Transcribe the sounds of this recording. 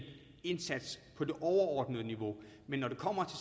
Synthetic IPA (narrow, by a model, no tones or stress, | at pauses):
e̝nsæd̥spʰɒ̽de̝ʔɒʊɐɒːd̥nəðˠniʋo̝menːɒɾ̥e̝kʰɒ̽m̰ɐt͡sʰe̝